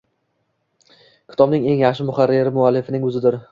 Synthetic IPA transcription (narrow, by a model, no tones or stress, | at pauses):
kʲʰɪ̥t̪ʰɒbnɪŋe̞ŋjaχʃɪmʊχaɾːeɾɪmʊalːɪfɪnɪŋʊzɪd̪ɪɾ